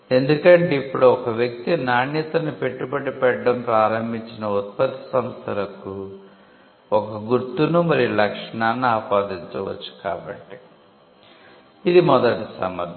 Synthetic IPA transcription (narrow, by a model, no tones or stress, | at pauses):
e̞nd̪ukɐɳʈeipːuɽuɔkɐʋjɐk̚t̪inaːnit̪ɐnipe̞ʈːupɐɽipɛʈɖɐmpɾaːɾɐmbʱiɲt͡ʃinɐut̪̚pɐt̪ɐ̥sɐmst̪ʰɐlɐku | ɔkɐɡuɾt̪unumɐɾilɐkʂɐɳaːnːuaːpaːd̪iɲt͡ʃɐʋɐ̰t͡ʃːu̥kaːbɐ̰ʈːi | id̪imɔd̪ɐʈisɐ̰mɐ̰d̪ʱ